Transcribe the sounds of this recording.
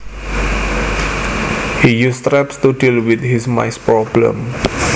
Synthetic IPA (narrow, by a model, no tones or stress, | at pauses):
hijust̪ɾɛpst̪udilwit̪hisma̰jspɾɔblə̰̃m